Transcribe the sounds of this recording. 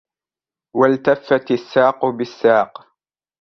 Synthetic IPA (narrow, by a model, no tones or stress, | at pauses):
walt̪afːat̪asːaːqʊbɪsːaːq